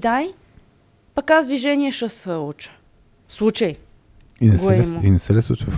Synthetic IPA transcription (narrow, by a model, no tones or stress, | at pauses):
d̪aj | pɐkazd̪viʒɛniɛʃəsəut͡ʃə̥ | slˠut͡ʃəj | inɛɡsoɛɛɛmoinɛsɛlɛsṵt͡ʃəf